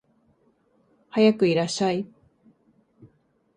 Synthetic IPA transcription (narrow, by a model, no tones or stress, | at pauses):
hajakɯiɾaɕaj